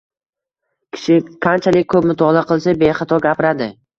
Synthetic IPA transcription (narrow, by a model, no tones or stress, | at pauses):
kʲʰɪ̥ʃɪqʰant͡ʃʰalɪk̚ʲkʰɵpmʊt̪ʰɒlˠaqɨlˠsabeχɑt̪ʰɒɡʲapɪɾad̪ɪ